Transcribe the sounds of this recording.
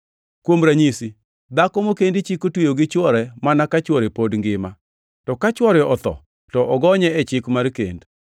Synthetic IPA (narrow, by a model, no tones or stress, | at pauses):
kwomɾaɲisi | d̪akɔmokendit͡ʃikotwejoɡɪt͡ʃwɔɾɛmanakat͡ʃwɔɾepodŋɡɪma | tɔkat͡ʃwɔɾɛɔt̪ɔ̰ | tɔʔɔɡɔɲɛɛt͡ʃɪkmarkḛnd